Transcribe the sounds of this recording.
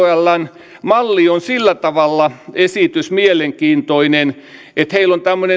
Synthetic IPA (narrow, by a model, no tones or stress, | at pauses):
ælːɑn | mɑlːionsilːæt̪ɑʋɑlːɑesit̪ysmieleŋkiːnt̪oinen | ʔet̪heilont̪æmːøne